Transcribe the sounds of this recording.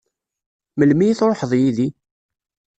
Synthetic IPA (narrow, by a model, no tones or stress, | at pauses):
məlmijθɾˤoħəðˤjiði